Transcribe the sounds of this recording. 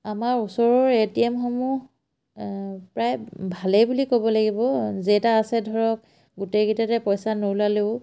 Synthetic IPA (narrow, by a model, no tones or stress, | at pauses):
amaɹusɔɹɔɹetiemxomu | pɹajbʱalejbulikobɔlaɡibɔzetaːsɛdʱɔɹɔk̚ | ɡutejɡitatɛpɔjsanowlaleʊ